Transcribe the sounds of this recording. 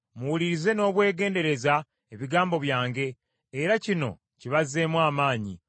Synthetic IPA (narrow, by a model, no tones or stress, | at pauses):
muwuliɾize̞no̞ːβwe̞ːɡe̞ːnde̞ɾe̞za | eβiɡaːmbo̞βjaːŋɡe̞ː | ɾacino̞̰ | ciβazːe̞ːmwaːmaːɲi